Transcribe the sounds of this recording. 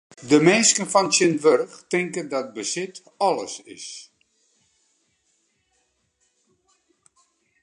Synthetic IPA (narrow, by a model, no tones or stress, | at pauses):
dəmeːskənfɔnsɪndʋørxtɪŋkədɔt̚bəsɪt | ɔlˠə̰sɪ̰s